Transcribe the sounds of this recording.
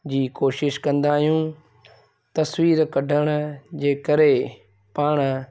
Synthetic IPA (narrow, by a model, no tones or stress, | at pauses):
d͡ʑiːkoːʃɪʃkɐ̃nd̪aːɦijũː | t̪ɐswiːɾkɐɖʱəɽ̃̆d͡ʑeːkəɾe | paːɽ̃